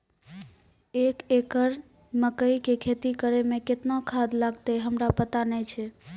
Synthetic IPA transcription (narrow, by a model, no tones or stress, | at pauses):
ekekəɾ | məkəjkekʰet̪ikəɾemeket̪nokʰad̪laɡt̪eɦəmɾapət̪anɛjt͡ʃʰɛ